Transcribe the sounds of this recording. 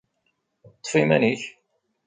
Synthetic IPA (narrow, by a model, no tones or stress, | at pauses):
t̪ˤːfimæniç